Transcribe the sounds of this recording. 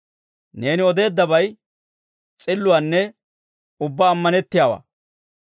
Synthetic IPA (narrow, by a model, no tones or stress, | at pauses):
ne̞ːnɪɔd̪e̞ːd̪ːɐbɐj | t͡sʼɪlːʊwaːnːɛ | ʊbːaːmːɐnɛt̪ːɪjaːwa̰ː